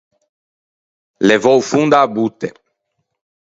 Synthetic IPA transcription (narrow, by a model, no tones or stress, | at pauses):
levowfund̪abut̪e